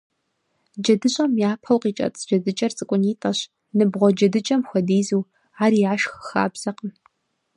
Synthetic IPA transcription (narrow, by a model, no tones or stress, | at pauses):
d͡ʒɐdɨɕʼɐmjaːpʰɐwqiːt͡ʃʼɐ̰t͡sʼd͡ʒɐdɨt͡ʃʼɐrt͡sʼɨkʷʼʊniːtʼɐɕ | nɨbʁʷɔd͡ʒɐdɨt͡ʃʼɐmxʷɔdiːzuː | aːɾiaːʃxxa̰ːbz̥ɐqən